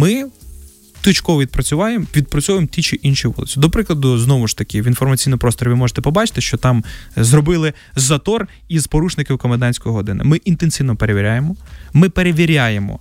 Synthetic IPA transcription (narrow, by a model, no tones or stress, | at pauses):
mɪ | t̪ʊt͡ʃkɔʋɔʋʲid̪̚pɾɐt͡sʲʊʋɑjemʋʲid̪̚pɾɔt͡sʲɔʋjemtʲit͡ʃiʔinʃiʋɔ̰lˠɪ̰t͡sʲid̪ɔpɾɪklˠɐd̪ʊznɔʋʊʃt̪ɐkɪʋinfɔrmɐt͡sʲijnmʊpɾɔst̪ɔɾʲʋɪmɔʒe̥t̪ɛpɔbɑt͡ʃɪ̥t̪ɪʃt͡ʃɔt̪ɑmzrɔbɪlˠɪ | zɐt̪ɔr | izpɔɾuʃnɪkɪwkɔmed̪ɑnʲsʲkɔjɔɦɔd̪ɪnɪ̰mɪʔint̪ensʲiwnɔpeɾeʋʲiɾʲajemɔmɪpeɾeʋʲiɾʲajemɔ̰